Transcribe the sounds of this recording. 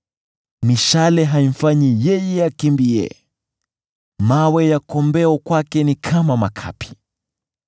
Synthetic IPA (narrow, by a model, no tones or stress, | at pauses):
miʃalɛɦaim̩faɲijɛjɛakimbiɛ̰ | mawɛjakɔmbɛɔkwakɛnikʰamamakʰa̰pʰi̥